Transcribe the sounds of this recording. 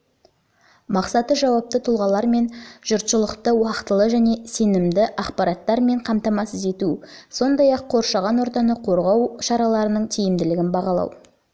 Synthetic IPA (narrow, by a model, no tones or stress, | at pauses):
mɑqsɑt̪əʒɑwɑp̚t̪ət̪ʰʊlˠʁɑlˠɑɾme̞nʒ̥ʊɾt̪ʃəlˠəqt̪əwɑqət̪əlˠəʒæne̞se̞nɪmd̪ɪʔɑqpɑɾɑt̪ːɑɾme̞ɴqʰɑmt̪ɑmɑsəze̞t̪uso̞nd̪ɑjɑqʰːo̞ɾʃɑʁɑnwoɾt̪ɑnəqʰo̞ɾʁɑwʃɑɾɑlˠɑɾənəɴt̪ʰijɪmd̪ɪlɪɡʲɪnbɑʁɑlˠɑ̰w